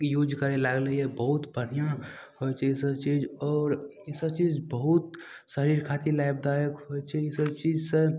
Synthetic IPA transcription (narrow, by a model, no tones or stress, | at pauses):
jud͡ʒkəɾelaɡləɛbəɦut̪bʱəɽ̤ijãhot͡ʃʰɛsəbt͡ʃid͡ʒɔːɾ | səbt͡ʃiːd͡ʒbəɦut̪ | səɾiɾkʰaːt̪ilajbd̪ajəkɦojt͡ʃʰɛɪsəbt͡ʃiːd͡ʒsẽ